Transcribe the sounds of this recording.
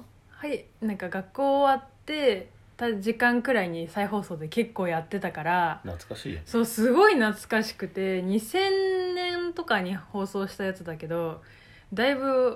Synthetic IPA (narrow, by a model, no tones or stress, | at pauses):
hai | nãŋkaɡakːo̞ːβat̪ːe̞ | t̪aʑikãŋkɯ̟ɾaiɲ̟isaiho̞ːso̞ːd̪e̞ke̞kːo̞ːjat̪ːe̞t̪akaɾana̰t͡skaɕḭso̞ːsɨɡo̞inat͡sɨ̥kaɕi̥kɯ̟t̪e̞ɲ̟isẽ̞nːẽ̞nt̪o̞kaɲ̟iho̞ːso̞ːɕi̥t̪ajat͡sɨd̪ake̞d̪o̞ | d̪aiβɯ̟